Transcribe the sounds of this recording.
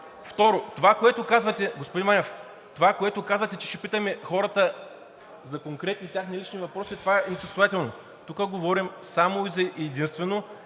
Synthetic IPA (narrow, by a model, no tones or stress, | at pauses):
ft̪ɔɾot̪ovakoɛt̪okazvɐt̪ɛɡospod̪inmanʲɛf | t̪ovakoɛt̪okazvɐt̪ɛt͡ʃɛ̥ʃɛpit̪əmɛxɔɾət̪ə | zɐkoŋkɾɛt̪nit̪ʲjaxnilit͡ʃnivɐpɾɔsit̪ovaɛnɛsɐst̪ojat̪ɛlˠno | t̪ukəɡovɔɾimsamoizɐʔɛd̪inst̪vɛno